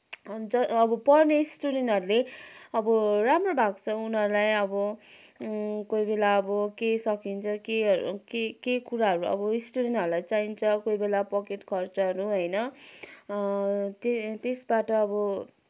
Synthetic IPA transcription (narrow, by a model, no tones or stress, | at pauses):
d͡zʌːbʌpʌrnesʈuɽenʌɾuleʌbʌramrobʱaɡt͡sʰʌunʌɾulajʌbʌ | kojbelaʌbʌkesʌkint͡sʰʌkekekekuɾaɦʌɾuʌ̰bʌisʈuɽenʈʌɾulajt͡saint͡sʰʌkojbelapʌkeʈkʰʌrt͡sʌɦʌɾuɦʌjnʌ | t̪et̪esbaʈʌːbʌ